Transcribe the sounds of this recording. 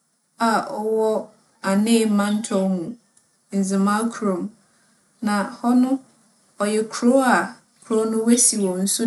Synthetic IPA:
a˨ʔɔ˨wɔ˦ | a˨nɪ̃˦˨˦mã˦n̩˦tʰɔ˦hũ˨ | n̩˨zɪ̃˨ma˦kʰɾõ˨m | nã˨hɔ˦nʊ̃˦ | ɔ˨jɛ˨kʰu˨ɾo˦a˨ | kʰu˨ɾo˦nʊ̃˦we˦si˨wɔ̃˨n̩˦su˦

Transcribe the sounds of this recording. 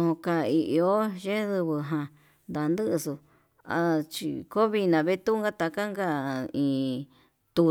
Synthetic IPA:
ũ˧ũ˧ka˧i˧ʔi˧o˦ʒe˦ðɨ˧βɨ˧ɦã˧ | nd̪a˧˨˧nd̪ɨ˦ʔɨ˧su˧ | a̰˧t͡ʃḭ˧ko˦βi˧nã˨βe˦t̪u˦˧ŋɡa˦t̪a˧ka˦ŋɡa˦˧ĩ˧ | t̪u˧

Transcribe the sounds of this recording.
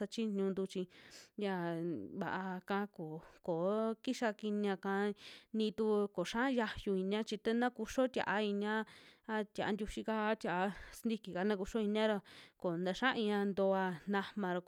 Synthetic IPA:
a˧t͡ʃi˦ɲũ˧nd̪u˧t͡ʃĩ˧ja˧βa̰˨ʔa˧kã˧˦˧ko˨ko˨˦ki˦ʃa˧ki˧n˧ã˧kã˧nĩ˧t̪u˦˧ko˨ʂã˦ja˧ju˧i˧nj̃ã˦t͡ʃi˧t̪e˦nã˦ku˧ʂo˦t̪ʲa̰˨ʔa˧i˧n˧ã˦a˧t̪ʲja̰˨a˧nd̪ʲu˧ʃi˧ka˧a˦t̪ʲa˨ʔa˧snd̪i˦˧ki˨ka˧nã˦˧ku˧ʂo˦i˧ñ˦ã˦ɾa˧ko˨nd̪a˧ʃã˦ĩ˧ã˧nd̪o˧a˧nã˧mã˧ɾo˧k

